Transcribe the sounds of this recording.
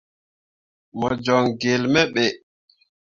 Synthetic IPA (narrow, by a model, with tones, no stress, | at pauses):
mɔ˨d͡ʒɔ˨ŋɡe˨lmɛ˦ɓɛ˨